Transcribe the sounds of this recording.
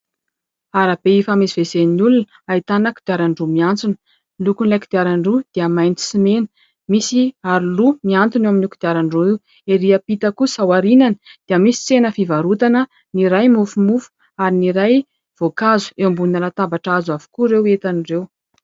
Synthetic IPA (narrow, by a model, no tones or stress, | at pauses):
aɾab̥eifamisiv̥ezenulun | ait̪anakud̪̥iaɾaɳɖ͡ʐumiant͡sunə̥ | lukunilakud̪iaɾaɳɖ͡ʐud̪̥iəmajnt͡si̥simenə̥ | misiaɾulumiant̪unewaminukud̪iaɾaɳɖ͡ʐuiw | eɾiəpit̪əkusawaɾinanəd̪̥eiəmisi̥t͡senəfivaɾut̪anə | niɾajmufumufu̥ | aɾiniɾaj | v̥okazu̥ewmbunəɾat̪abaʈ͡ʂazuavu̥kuɾewet̪anirew